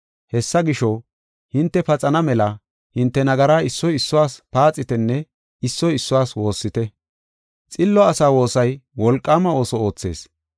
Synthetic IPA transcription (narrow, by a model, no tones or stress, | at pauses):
hɛsːɐɡɪʃɔ | hɪnt̪ːɛpɐt͡sʼɐnɐmɛlɐ | hɪnt̪ːɛnɐɡɐɾaːɪsːɔjɪsːɔwaːspaːt͡sʼːɪt̪ɛnːɛ | ɪsːɔjɪsːɔwaːswo̞ːsːɪt̪ɛ | t͡sʼɪlːɔɐsaːwo̞ːsɐjwɔlkʼːaːmɐo̞ːsɔo̞ːt͡sːe̞̰ːs